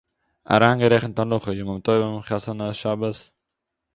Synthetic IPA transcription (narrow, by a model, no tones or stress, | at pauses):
a̰ɾaːŋɡəɾɛχənt̪alʊχəjuməmt̪ɔjbəmχasanaʃabəs